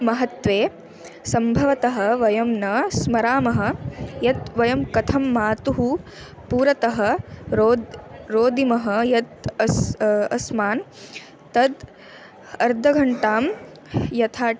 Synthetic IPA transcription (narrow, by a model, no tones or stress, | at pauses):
mɐɦɐt̪ʋeː | sɐmbʱɐʋɐt̪ɐɦɐ̆ʋɐjɐmnɐsmɐɾaːmɐɦɐ̆jɐt̪ʋɐjɐmkɐt̪ʰɐmːaːt̪uɦu | puːɾɐt̪ɐɦɐ̆ɾoːd̪ɾoːd̪imɐɦɐjɐt̪ɐsɐsmaːn | t̪ɐd̪ | ɐɾd̪ʱɐɡʱɐɳʈaːm | jɐt̪ʰaː